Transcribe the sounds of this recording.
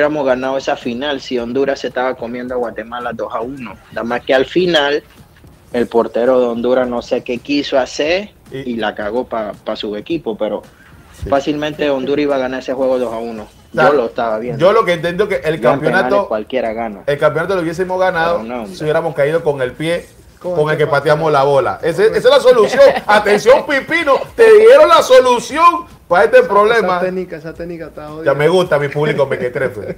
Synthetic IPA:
jeɾamozɣanaðoe̞safinalsio̞nd̪uɾase̞st̪aβako̞mje̞nd̪oaɣwat̪e̞malaðo̞sauno̞d̪amaske̞alfinal | e̞lpo̞ɾt̪e̞ɾo̞ðeond̪uɾasno̞se̞ke̞kisoaseɾ | ilakaɣo̞papasue̞kipope̞ɾo̞ | fasilmẽnt̪e̞o̞nd̪uɾaiβaɣanaɾese̞xwe̞ɣo̞ðosauno̞ | saoloest̪aβaβjnd͡ʒo̞lo̞keːnt̪e̞nd̪jokeʔelkammpjonaokwalkjeɾaɣanoelkampjonat̪olouβje̞s̬imo̞zɣanaðonõsiuβjeɾamo̞skaiðoko̞ŋe̞lpje̞ | ko̞ŋe̞lke̞pat̪jamoslaβo̞la̰ʔeseesaelaso̞lusjo̞ŋat̪ensjo̞mpipinot̪eðje̞ɾo̞nlaso̞lusjoŋ | pae̞st̪epɾo̞βle̞mant̪end͡ʒameɣust̪amipuβlikomeket̪ɾefe

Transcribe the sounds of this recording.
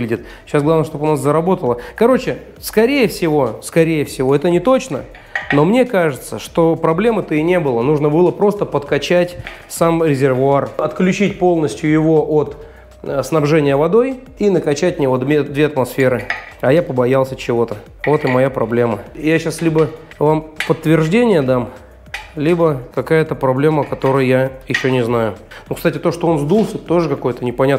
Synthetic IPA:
lʲɪdʲɪt̪ | ɕasɡlˠavnəʂt̪oʊnaszəɾɐbo̞t̪əlˠəkɐɾo̞t͡ɕɪ | skɐɾʲejəfsʲɪvo̞skɐɾʲejəfsʲɪvo̞ɛt̪ənʲɪt̪o̞t͡ɕnə | no̞mnʲekaʐɨt̪sə̰ʂt̪o̞pɾɐblʲe̞mɨt̪əinʲe̞bɨlˠənuʐnəbɨlˠəpɾo̞st̪əpət̪kɐt͡ɕætʲsamɾʲɪzʲɪrvʊarɐt̪klʲʉt͡ɕitʲpo̞lˠnəsʲtʲjʊjɪvo̞ʔot̪ | snɐbʐɛnʲɪjəvɐd̪o̞j | inəkɐt͡ɕætʲmnʲɪvod̪vʲed̪vʲeɐt̪mɐsfʲe̞ɾɨɐjapəbɐjalˠsʲət͡ɕɪvo̞t̪ə | vo̞t̪ɨmɐjapɾɐblʲe̞məjaɕaslʲibə | vampət̪ːvʲɪrʐdʲenʲɪjəd̪am | lʲibəkɐkajət̪əpɾɐblʲe̞məkɐt̪o̞ɾəjjajɪɕːonʲɪznajʊnukst̪atʲɪt̪oʂt̪oonzd̪ulˠsʲɛt̪t̪o̞ʐɨkɐko̞jt̪ənʲɪpɐnʲat̪

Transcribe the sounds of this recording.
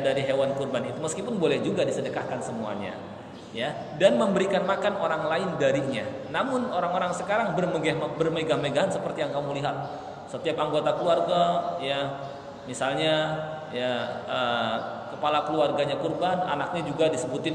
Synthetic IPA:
daɾiɦewankurbanit̪uməskipʊnbolɛhd͡ʒuɡadisədəkahkansəmua̰ɲa̰ | ja | danməmbəɾikanmakanoɾaŋlaɪndaɾiɲa̰ | namʊnoɾaŋoɾaŋsəkaɾaŋbərməɡambərməɡahmeɡaɦansəpərt̪ijaŋkamuliɦat̪̚ | sət̪iap̚aŋɡot̪akəluarɡaja | misalɲa | jaəkəpalakəluarɡaɲakurbana̰nak̚ɲad͡ʒuɡadisəbut̪ɪn

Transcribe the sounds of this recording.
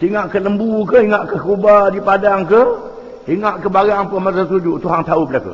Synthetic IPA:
siŋaʔkələmbukəiŋaʔkəkubadipadaŋkə | iŋaʔkəbaɾaŋpəmas̬ast̪ud͡ʒuʔt̪uɦaŋt̪aubəlakṵ

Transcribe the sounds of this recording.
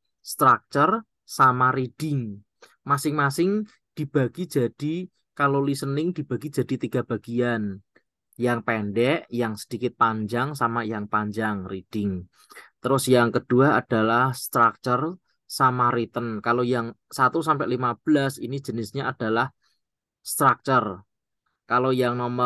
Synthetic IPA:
st̪ɾak̚t͡ʃər | samaɾid̥ɪŋ | masɪŋmasɪŋ | d̥i̤b̥a̤ɡ̥i̥d͡ʒ̥a̤d̥i | kalolisənɪŋd̥i̤b̥a̤ɡid͡ʒ̥a̤d̥it̪iɡ̥a̤b̥a̤ɡ̥ian | jaŋpɛnɖɛʔjaŋsə̥d̥ikɪt̪̚paɲd͡ʒaŋsamajaŋpaɲd͡ʒaŋrid̥ɪŋ | t̪əɾʊsjaŋkəd̥uaad̥alahst̪ɾak̚t͡ʃər | samaɾit̪ənkalojaŋsat̪usampɛʔlimab̥əlasinid͡ʒ̥ə̤nɪsɲaʔad̥a̤lah | st̪ɾak̚t͡ʃər | kalojaŋnɔmə

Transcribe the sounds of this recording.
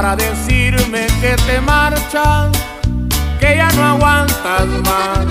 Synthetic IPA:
ɾaðesiɾmeket̪emaɾt͡ʃa | kejanõaɣwant̪asma

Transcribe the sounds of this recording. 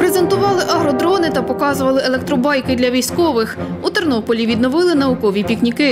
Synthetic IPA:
pɾeze̞nt̪ʊʋɑlˠɪʔɐɦɾɔd̪ɾɔnɪt̪ɐpɔkɑzʊʋɐlˠɪelˠek̚t̪ɾɔbɑjkɪd̪ʲlʲɐʋʲijsʲkɔʋɪxut̪ernɔpɔlʲiʋʲid̪nɔʋɪlˠɪnɐʊkɔʋʲipʲiknʲikɪ

